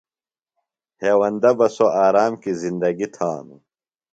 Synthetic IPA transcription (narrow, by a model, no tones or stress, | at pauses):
heːwɐnd̪ɐbɐsoaːɾaːmkizind̪ɐɡit̪ʰaːnu